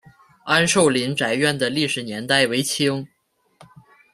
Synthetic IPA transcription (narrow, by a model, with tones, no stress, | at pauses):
a˥nʂo˥˩ʊli˧˥nʈ͡ʂa˧˥ɪɥɛ˥˩nd̪ə˩li˥˩ʂɻ̩˨˩njɛ˧˥nt̪a˥˩ɪwe˧˥ɪt͡ɕʰi˥ŋ